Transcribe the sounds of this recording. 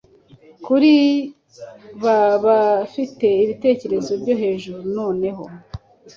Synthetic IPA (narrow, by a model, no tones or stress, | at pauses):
kuɾi | βaβafite̞iβite̞ːce̞ɾe̞zo̞ɾɟo̞ɦe̞ːʒuɾunoːne̞ɦo̞̰